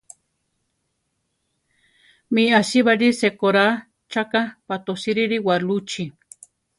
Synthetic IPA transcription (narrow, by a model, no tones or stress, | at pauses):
miasiβaɾisekoɾa | t͡ʃakapat̪osiɾiɾiwalut͡ʃi